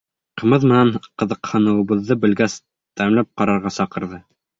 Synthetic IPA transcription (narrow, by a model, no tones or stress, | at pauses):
qɤ̆mɤðmɘ̆næɴqɤ̆ðɤ̆qhɤ̆nɤ̆wɤ̆βɤ̆ðːɤbɘ̆lɡæs | t̪æmlæp̚qɑɾɑɾʁɑsɑqɤ̆ɾðɤ